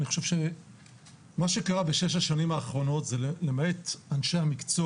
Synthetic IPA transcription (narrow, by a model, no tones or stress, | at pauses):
niχoʃe̞v̥ʃe̞ | maʃekaʁabeʃe̞ʃ̬aʃanimaːχʁo̞no̞tzellemaetanʃe̞hamikt͡so